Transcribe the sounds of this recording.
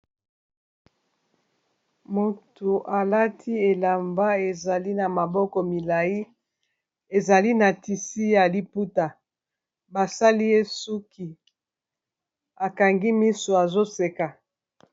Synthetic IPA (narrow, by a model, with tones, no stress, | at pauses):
mo˨to˨ʔa˨la˦tʰi˦e˨la˨mba˦e˨za˨li˦na˨ma˨bɔ˦kɔ˨mi˨la˨ji˦ | e˨za˨li˦na˨ti˨si˦ja˨li˦pu˦ta˨ | ba˨sa˦li˦e˦su˦ki˨ | a˨ka˨ŋɡi˦mi˦so˨a˨zo˦se˨ka˨